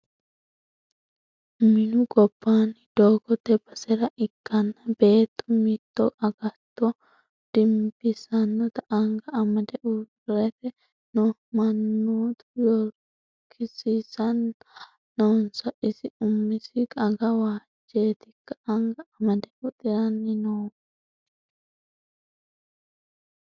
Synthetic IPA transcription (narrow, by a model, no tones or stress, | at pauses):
mɪnʊɡɔb̥ːaːnɪd̪̥oːɡɔt̪ɛbɐsɛɾɐʔɪkːɐnːɐbe̞ːt̪ːʊmɪt̪ːɔʔʼɐɡɐt̪ːɔ | d̪̥ɪmbɪsɐnːɔt̪ɐʔɐŋɡɐːmɐd̪ɛʔʊ | ɾɛfɛ | nɔmɐnːuːt̪ʊ̥jɔɾ | kʰːɪsɪsɐnː | oːnsɐʔɪsɪʊmːɪsɪkʼɐɡɐwaː | d͡ʒːeːt̪ɪkːɐʔɐŋɡɐːmɐd̪ɛʔʊt̪ʼɪɾɐnːɪnoː